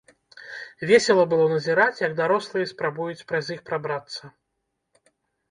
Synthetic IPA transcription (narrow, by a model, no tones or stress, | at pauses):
vʲesʲɛlˠɐbɨlˠɔnɐzʲiɾat͡sʲjɐɡ̚d̪aɾɔslˠɨjɛspɾabujut͡sʲpɾɐzʲixpɾabɾat̪sːɐ